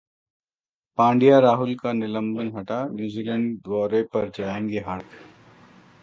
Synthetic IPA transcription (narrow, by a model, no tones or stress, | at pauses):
pãːɳɖijaɾaːɦʊlkanɪlə̃mbənɦɐʈanjuːzilə̃ɳɖd̪ɔːɾepɐɾd͡ʒaːẽːŋɡeɦɐɾt̪ʰ